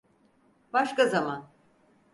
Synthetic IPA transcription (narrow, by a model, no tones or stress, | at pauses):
b̥aʃkazaman